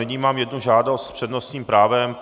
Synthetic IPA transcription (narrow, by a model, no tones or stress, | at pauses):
ɪɲiːmaːmjɛdnuʒaːdost̪spr̥ɛdnost̪ɲiːmpɾaːvɛm